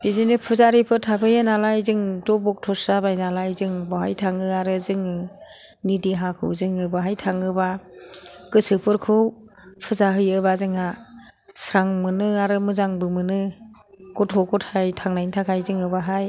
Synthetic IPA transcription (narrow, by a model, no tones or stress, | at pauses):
bidinɯpʰɯzaɾipʰɯtʰapʰɯjanalajzɯŋdɔbɔk̚tʰɔsɾabajnalajzɯŋbɔhajtʰaŋɯaɾɯzɯŋɯ | nidiɦakʰɯ̰wzɯŋɯbaɦajtʰaŋɯba | kɯsɯpʰɯɾkʰɯw | pʰɯzaɦɯjɯbazɯŋa | sɾaŋmɯnɯaɾɯmɯzaŋbɯmɯnɯ | ɡ̥ɔtʰɔkɔtʰhajtʰaŋnajntʰakʰajzɯŋɯbaɦaj